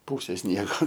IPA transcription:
ˈpuːsʲeː ˈsʲnʲiɛɡoː

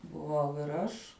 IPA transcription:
bʊˈʋɐʊ ɪr ˈɐʃ

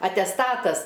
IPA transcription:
ɐtʲɛsˈtɑːtɐs

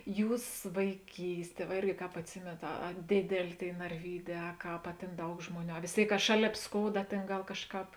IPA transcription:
ˈjuːs ʋɐɪˈkʲiːsʲˌtʲiɛ ʋɐ ˈɪrʲɡʲɪ ˈkɑːp ɐtʲˈsʲɪmʲeːnɐt ɐ ɐ ˈdʲeːdʲɛlʲeː ˈtʲeːɪ nɐrʲˈʋʲiːˌdʲɛː ɐ ˈkɑːp ɐ ˈtʲeːn ˈdɐʊk ˈʒmoːˌnʲuː ɐ ʋʲeːs ˈtʲeːɪk kɐ ˈʃɑːˌlʲeːp ˈskoːʊdɐ ˈtʲeːn ˈɡɐlˠ ˈkɑːʃˌkɑːp

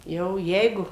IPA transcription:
ˈjɛʊ ˈjɛɪɡʊ

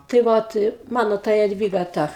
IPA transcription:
tɐɪ ˈʋoːt ˈmɑːnoː tɐ jɛdʲˈʋʲiːɡɐ ˈtɐ

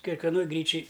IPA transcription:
kʲɛkʋʲɛˈnoːj ˈɡrʲiːt͡ʃʲɪj

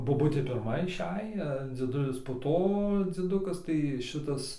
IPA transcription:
boːˈbʊtʲeː pʲɪrˈmɐ ɪˈʃʲɛj ɐ d͡zʲiɛˈdʊlʲɪs poː ˈtoː d͡zʲiɛˈdʊkɐs tɐɪ ˈʃʲɪtɐs

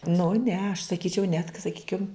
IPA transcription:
nʊ ˈnʲɛ ɐʃ sɐˈkʲiːt͡ʃʲɛʊ nʲɛtk sɐˈkʲiːkʲɪm

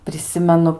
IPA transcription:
pʲrʲɪˈsʲɪmʲɛnʊ

